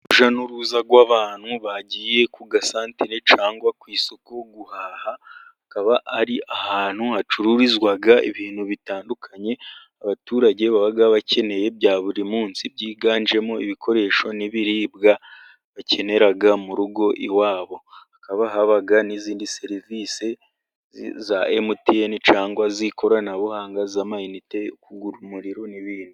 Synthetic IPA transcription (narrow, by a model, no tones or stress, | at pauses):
uʒanuɾuzaɡwaβaːn̥huβaɟiːje̞kuɡasaːntiɾet͡ʃaːŋɡwakwiːso̞ko̞ɡuhaːhaakaβaʔaɾiʔahaːn̥huhat͡ʃuɾuɾizwaɡaḭβiːn̥huβitaːndukʰaɲe̞ | aβatuːɾaɟe̞βaβaɡaβace̞ne̞je̞bɟaːβuɾimuːnsibɟiːɡaːnd͡ʒe̞mo̞iβikʰo̞ɾe̞ːʃo̞niβiɾiːbɡa | βace̞ne̞ɾaɡamuɾuɡo̞ʔiwaːβo̞akaβaɦaβaɡaniziːndise̞ɾivise | zaʔemutienit͡ʃaːŋɡwazikʰo̞ɾanaβuhaːŋɡazamajinite̞ukuɡuɾumuɾiɾoniβiːndi